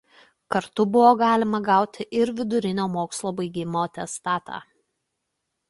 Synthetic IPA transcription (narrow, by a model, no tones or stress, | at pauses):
kɐɾt̪ʊbʊʋoːɡɑːlʲɪmɐɡɑˑʊt̪ʲɪʔɪɾʋʲɪd̪ʊɾʲɪnʲoːmoːkslˠoːbɐɪɡʲɪmoːt̪ʲɛst̪ɑːt̪ʰɑ̰ː